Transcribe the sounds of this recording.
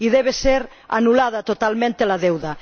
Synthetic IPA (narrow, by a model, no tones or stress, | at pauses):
iðeβ̞eseɾ | a̰nulaðat̪ot̪almẽnt̪elaðewða